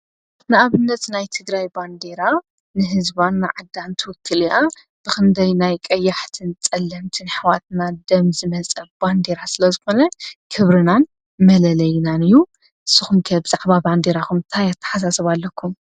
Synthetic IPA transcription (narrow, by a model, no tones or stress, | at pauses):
nɨʔaβɨnːɐt̪najt̪ʰɨɡɾajband̪e̞ɾa | nɨɦɨzbanːɨ̰ʕɨd̪ːant̪ʰɨwɨkʰːɨliʔa | b̥ɨkɨnd̪ʰɐjnajkʼɐjːaħt̪ʰɨnt͡sʼɐlːɐmt̪ʰɨnħɨwat̪̚nad̪ɐmzɨmɐt͡sʼɐlband̪e̞ɾasɨlɐzɨxo̞nɐkʰɨβɾɨnan | mɐlɐlɐjnanɨjːu | ʔɨsːɨxumkʰɐbɨzaʕβaband̪eɾakumnt̪ʰajat̪ʰːɐ̥ħasasɐβalːɐkʰːum